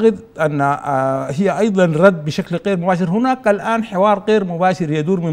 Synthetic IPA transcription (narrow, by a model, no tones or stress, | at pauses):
ɣɪd̪ | ʔanːahijːaʔɑjd̪ˤɑnɾˤɑd̪ːbɪʃaklɣeːɾmʊbaːʃɪɾhʊnaːkʔalʔaːnħɪwɑːɾˤɣeːɾmʊbaːʃɪɾjad̪uːɾmɪ